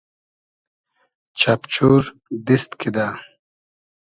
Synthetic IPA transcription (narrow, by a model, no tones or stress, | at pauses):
t͡ɕʰapt͡ɕʰuːɾ | d̪ist̪kʰid̪a